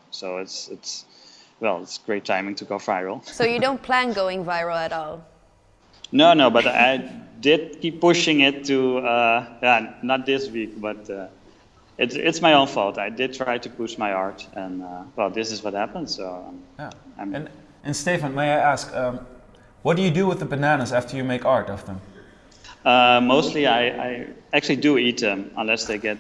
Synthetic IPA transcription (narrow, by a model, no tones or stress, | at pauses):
soʊɪtsɪtswɛlˠɪtsɡ̥ɹeɪtʰːãɪ̃mɪ̃ŋtʰəɡoʊfaɪɹl̩ˠsoʊjɨdõʊ̃npʰl̥æ̃nɡoʊɪ̃ŋvaɪɹəlˠɨɾɔlˠ | noʊnoʊbʌta̰ɪdɪd̚kipːʊʃɪ̃ŋɪtʰːuʌjænət̚ðɪswik̚b̥ʌtʌ | ʔɪtɪ̰tsmaɪõʊ̃nfɔ̰lˠtaɪdɨd̚tʰɹ̥aɪtupuʃmaɪɑɹtɨ̃nəwɛlˠðɪsɨzwʌt̚hæpə̃ndsoʊ̰jam̃n | ʔɨ̃nsteɪvə̃nmeɪaɪæskʌ | wʌt̚d̥ɨjɨdɨwɪðəbɨnænəzæftə˞jɨmeɪkɑɹtʌvðə̃m | ʌmoʊstˡliaɪa̰ɪæk̚t͡ʃʉl̩ˠidɨit̪̚ðɨ̃mə̰̃nlɛsðeɪɡɛt̚